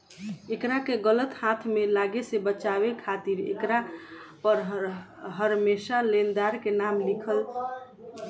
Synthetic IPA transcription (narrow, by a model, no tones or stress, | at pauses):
ekɾakeɡələt̪hat̪ʰmelaɡesebət͡ʃaβekʰat̪iɾḛkɾapəɾ | ɦəɾmesalend̪aɾkenamlikʰəl